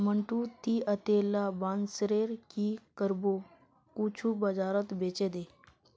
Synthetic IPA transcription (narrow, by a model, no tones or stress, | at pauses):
məɳʈut̪iʔət̪eːlabãːnsɾeːɾkikəɾbo | kut͡ʃʰubəd͡ʒaːɾət̪beːt͡ʃeːd̪eː